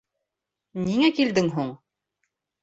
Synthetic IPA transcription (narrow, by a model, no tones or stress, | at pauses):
niŋækild̪ɘŋɦuɴ